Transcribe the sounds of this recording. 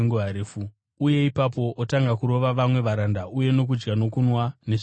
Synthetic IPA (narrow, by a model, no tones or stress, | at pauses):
ŋɡoɦaɾeːfu | uje̞ipapo̞ʔotaŋɡakuɾo̞ʋaʋamwe̞ʋaɾandaʔuje̞no̞k̬ud͡ʒɡano̞kunwane̞ʃ